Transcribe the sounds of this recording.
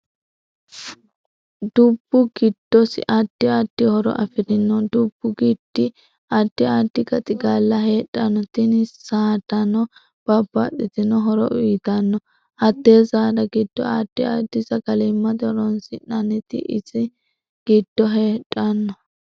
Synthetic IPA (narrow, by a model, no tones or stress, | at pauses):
d̪ʊb̥ːʊɡɪd̪̥ːɔsɪʔɐd̪̥ːɪad̪̥ɪhɔɾɔ̰ʔɐ̰fɪɾɪnːɔd̪ʊb̥ːʊɡɪd̪̥ːɪ | ɐd̪̥ːɪaːd̪̥ːɪɡɐt̪ʼɪɡaːlːɐɦe̞ːtʼːɐnːɔt̪ɪnɪsaːd̪ɐnɔ | b̥ɐbːɐt̪ːɪt̪ɪnɔɦɔɾɔ̰ʔʊjt̪ɐnːɔ | ʔɐt̪ːeːzaːd̪ɐɡɪd̪̥ːɔ̰ad̪̥ːɪad̪ːɪzɐɡɐlɪmːɐd̪ɔɾɔnsɪnɐnɪt̪ɪ̰ʔɪzɪ | ɡ̥ɪd̪̥ːɔɦeːtʼːɐnːɔ